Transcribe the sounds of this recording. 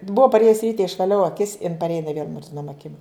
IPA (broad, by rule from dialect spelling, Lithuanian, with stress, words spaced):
ˈbʊɐ pɐˈrʲeːjʊs ˈrʲiːtʲɛ ɪʃʋɐˈlʲɛʊ ɐˈkʲɪs ɪn pɐrʲˈeːjɛ ɪˈnɐɪ ʋʲeːlˠ mʊrʲzʲɪˈnoːm ɐˈkʲɪm